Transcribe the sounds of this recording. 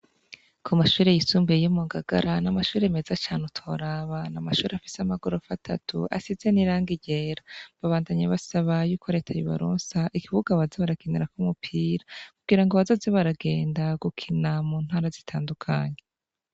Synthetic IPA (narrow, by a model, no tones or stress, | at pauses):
kʰumaʃuːɾe̞jisuːmbejomuɡaɡa̰ɾanamaʃuːɾeme̞zat͡ʃaːnutʰo̞ɾaːβanamaʃuːɾeafi̥seamaɡuɾofatʰatʰṵʔa̰size̞niɾaːŋɡiɟeːɾaβaβaːndaɲeβasaβajuːkʰo̞ɾe̞tʰajoβa̰ɾoːnsaʔikiβuɡaβazeβaɾakineɾakumupʰiːɾakuɡiɾaŋɡo̞βazo̞ːzeβaɾaɡe̞ːndaɡukʰinamuːn̥haːɾazitʰaːndukʰaɲe